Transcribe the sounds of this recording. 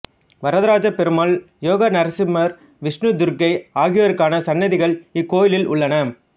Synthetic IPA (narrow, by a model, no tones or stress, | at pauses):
ʋɐɾɐðɐɾaːd͡ʒɐpɛɾɯmaːl | joːɣɐnɐɾɐsɪmɐɾ | ʋɪʂnɯd̪ʊɾɡɐɪaːɣɪjʋɐɾɯkːaːnɐsɐnːɐðɪɣɐɭɪkːoːjɪlɪlʊɭːɐnɐ